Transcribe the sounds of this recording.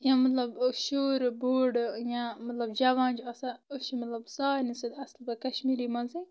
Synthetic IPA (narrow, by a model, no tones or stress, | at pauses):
jãmɐt̪lɐbʃuːɾboːɖjãmɐt̪lɐbd͡ʒɐʋaːnd͡ʒɐsaoʃimɐt̪lɐbsaːnisɐd̪ɐslbɐkɐʃmiːɾimɐnzi